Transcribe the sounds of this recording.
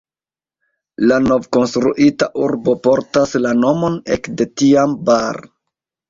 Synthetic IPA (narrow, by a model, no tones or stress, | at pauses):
lano̞vko̞nstɾuʔitaʔuɾbo̞po̞ɾtaslano̞mo̞ne̞kde̞tiambaɾ